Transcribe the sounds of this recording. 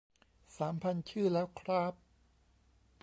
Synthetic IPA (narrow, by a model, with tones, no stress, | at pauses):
saː˩˦mpʰa˧nt͡ɕʰɯː˥˩lɛ˦˥wkʰɾaː˦˥p̚